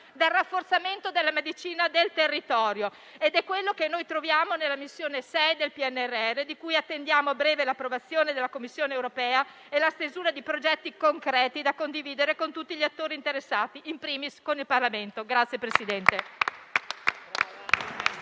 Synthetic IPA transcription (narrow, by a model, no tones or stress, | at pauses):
d̪elrːafːort̪sament̪od̪elːamed̪it͡ʃiːnad̪elt̪erːit̪ɔːɾjo | ed̪ɛkːwelːokenːojt̪ɾovjaːmonelːamisːjoːnesɛjd̪elpiɛnːɛrːeɛrːed̪ikujat̪ːend̪jaːmobɾɛːvelapːɾovat̪sːjoːned̪elːakomːisːjoːneːwɾopɛːa | elast̪ezuːɾad̪ipɾod͡ʒɛt̪ːikoŋkɾɛːt̪id̪akond̪iviːd̪eɾekont̪ut̪ːiʎiat̪ːoːɾint̪eɾesːaːt̪iʔimpɾiːmiskonilparlament̪oɡɾat̪sːjepɾesid̪ɛnt̪e